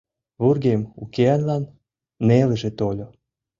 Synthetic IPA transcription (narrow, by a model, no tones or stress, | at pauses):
βurɣemukeɑnlɑnː | eleʒet̪olʲo